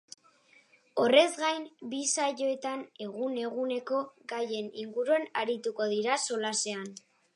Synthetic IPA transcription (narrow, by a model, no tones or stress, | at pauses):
o̞re̞zɡajmbisaʎo̞e̞t̪ane̞ɣune̞ɣune̞ko̞ɡaje̞niŋɡuɾuanaɾit̪uko̞ðiɾaso̞lase̞an